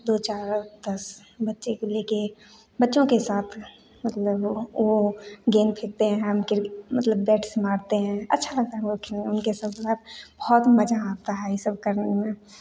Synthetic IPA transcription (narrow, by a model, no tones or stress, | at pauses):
d̪oːt͡ʃaːɾd̪̥ɐs | bɐtːʃekleːke | bɐtːʃõkesaːt̪ʰ | mɐt̪ləboɡeːnpʰɪk̚t̪eɦɛ̃ɦɛ̃mkɪmɐt̪ləbːɛːʈʰsmaːɾt̪eɦɛ̃ɐ̰tːʃʰalɐɡ̚t̪aɦɛ̃okʰelʊnkesɐbsəbbɔɔt̪mɐd͡ʒaaːt̪aɦɛjisəb̚kɐɾnemẽ